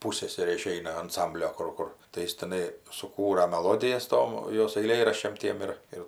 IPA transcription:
ˈpuːsʲsʲɛsʲɛrʲeː ɪˈʃʲɛɪnɐ ɐnˈsɐmʲbʲlʲoː ˈkʊr ˈkʊr tɐɪ ˈjɪs tʲɪˈnɐɪ sʊˈkuːrɐ mʲɛˈlˠoːdʲɪjɛs ˈtoːm ˈjoːs ɐɪˈlʲeːrɐʃʲt͡ʃʲɛm ˈtʲiɛm ɪr ˈɪr

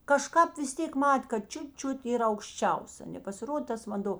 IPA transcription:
kɐˈʃkɑːp ʋʲɪs ˈtʲeːk ˈmɐtʲ kɐt ˈt͡ʃʲʊt ˈt͡ʃʲʊt iːˈrɐ ɐʊkʃʲˈt͡ʃʲɛʊs ɐ nʲɛpɐsʲɪˈroːdʲeː ˈtɐs ʋɐnˈdoː

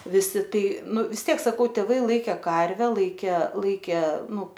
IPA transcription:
ʋʲɪˈsʲɪ ˈtɐɪ ˈnʊ ʋʲɪs ˈtʲiɛk sɐˈkɐʊ tʲeːˈʋɐɪ ˈlˠɐɪkʲeː ˈkɐrʲʋʲɛ ˈlˠɐɪkʲeː lˠɐɪkʲeː ˈnʊ

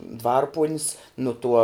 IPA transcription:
ˈdʋɐrpuɔnʲɪs nʊ ˈtuɔ

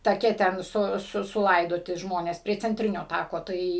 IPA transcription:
tɐˈkʲɛ tʲɛn ˈsʊ sʊ sʊˈlˠɐɪdoːtʲɪ ˈʒmoːnʲeːs pʲrʲiɛ t͡sʲɛnʲˈtʲrʲɪnʲoː ˈtɑːkoː ˈtɐɪ

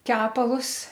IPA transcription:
ˈkʲæːpɐlˠʊs

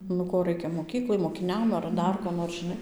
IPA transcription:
nʊ ˈkoː ˈrɐɪkʲɛ moːˈkʲiːklˠɐɪ moːkʲɪˈnʲɛm ɐr ˈdɐr koː noːr ʒʲɪˈnɐɪ

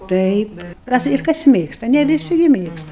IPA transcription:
ˈtɐɪp ˈkɐs ɪr kɐs ˈmʲeːkstɐ nʲɛ ʋʲɪˈsʲɪ ˈɡʲɪ ˈmʲeːkstɐ

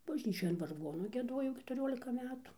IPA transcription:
bɐʒʲˈnʲiːt͡ʃʲoːj ɐn ʋɐrˈɡoːnʊ ɡʲiɛˈduɔjɛʊ kʲɛtʊˈrʲoːlʲɪkɐ ˈmʲæːtʊ

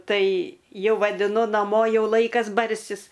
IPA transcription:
ˈtɐɪ ˈjɛʊ ʋɐdʲɪˈnʊ nɐˈmoː ˈjɛʊ ˈlˠɐɪkɐs ˈbɐrʲsʲɪs

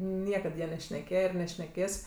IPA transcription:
ˈnʲiɛkɐt ˈjɛ nʲɛʃʲnʲɛˈkʲeːjɛ ɪr nʲɛʃʲnʲɛˈkʲeːs

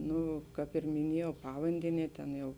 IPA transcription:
ˈnʊ ˈkɑːp ɪr mʲɪˈnʲiɛjɛʊ ˈpɑːʋɐnʲdʲɛnʲiɛ ˈtʲeːn jɛʊ

